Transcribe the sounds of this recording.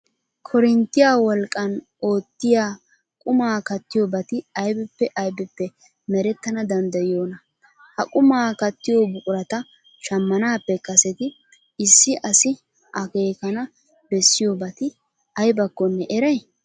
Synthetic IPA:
kʰɔɾɪnt̪ːɪjaːwɔlkʼːɐn | o̞ːt̪ːɪjaː | kʼʊmaːkɐt̪ːɪjoːbɐt̪ɪɐjbɛpːɛʔɐjbɛpːɛ | mɛɾɛt̪ːɐnɐd̪ɐnd̪ɐjɪjo̞ːnɐ | hɐ̰kʼʊmaːkɐt̪ːɪjoːbʊkʼʊɾɐt̪ɐ | ʃɐmːɐnaːpːɛkɐsɛt̪ɪ | ɪsːɪʔɐsɪ | ɐke̞ːkɐnɐ | bɛsːɪjoːbɐt̪ɪ | ɐjbɐkːɔnːɛʔɛɾɐj

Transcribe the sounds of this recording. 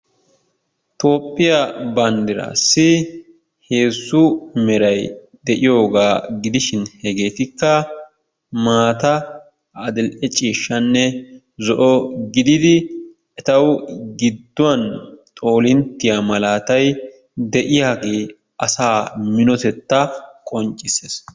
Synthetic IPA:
t̪o̞ːpʼːɪjɐbɐnd̪ɪɾa̰ːsːɪ | heːzːʊmɛɾɐj | d̪ɛʔɪjo̞ːɡaːɡɪd̪ɪʃɪnhɛɡe̞ːt̪ɪkːɐ | maːt̪ɐ | ɐd̪ɪlʔɛt͡ʃʼiːʃːɐnːɛ | zɔʔɔɡɪd̪ɪd̪ɪ | ɛt̪ɐwɡɪd̪ːʊwɐnt̪ʼo̞ːlɪnt̪ːɪjamɐlaːt̪ɐj | d̪ɛʔɪjaːɡeː | ɐsaːmɪnɔt̪ɛt̪ːɐkʼɔnt͡ʃʼːɪseːs

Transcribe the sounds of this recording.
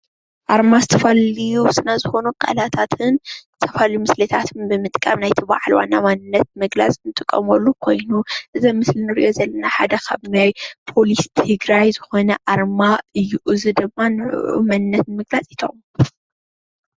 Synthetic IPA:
ʔaɾmazɨt̪ʰɐfɐlijusʼɨnazɨxo̞nukʼa̰lat̪ʰat̪ʰɨnzɨt̪ʰɐfaljumɨslɐt̪ʰat̪ʰɨnbɨmɨt̪ʼkʼɐmnajt̪ʰiba̰ʕalwa̰nːa̰manɨnːɐt̪̚mɨɡla̰t͡sʼnɨt̪ʼɨkʼːɐ̰molːukʰo̞jnuʔɨzɐmɨslinɨɾḭʔo̞zɐlːɐnaħad̪ɐkʰa̰βnajpʰo̞list̪ʰɨɡɾajzɨxo̞nɐʔaɾmaɨjɪʔuzɨd̪ɨmːanɨʕ̰ʔṵmanɨnːɐt̪nmɨɡlat͡sʼit̪ʰom

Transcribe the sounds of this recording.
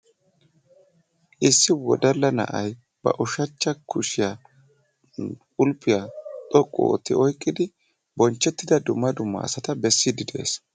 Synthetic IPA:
ʔɪsːɪwɔ̰d̪ɐlːɐnɐ̰ʔɐj | b̥ɐ̰ʔʊʃɐt͡ʃːɐkʰʊʃɪja | ʊlpʼːɪjat̪ʼɔkʼːɔ̰o̰t̪ːɪɔjkʼːɪd̪ɪ | bɔnt͡ʃːɛt̪ːɪd̪ɐd̪ʊmːɐd̪ʊmːɐ̰ɐ̰sɐt̪ɐbɛsːɪd̪ɪd̪e̞̰ːs

